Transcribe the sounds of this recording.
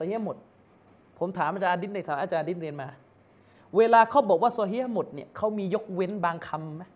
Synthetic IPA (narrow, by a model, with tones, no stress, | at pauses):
sɔ˧hi˦˥a˥mo˨˩t̪̚ | pʰo˩˦mt̪ʰaː˨˦mʔaː˧˩t͡ɕaː˧ʔa˧di˦˥t̪̚nda˥˩t̪ʰaː˨˦maː˧˩t͡ɕaː˧ʔdi˦˥t̪̚ɾi˧ənmaː˧ | weː˧laː˧kʰa˦˥˩wbɔː˨˩k̚waː˥˩sɔː˧ɦi˦˥ha˥˩mo˨˩t̪̚ni˥˩ɐkʰa˦˥wmiː˧jo˦˥k̚we˦˥nbaː˧ŋkʰa˧mːa˦˥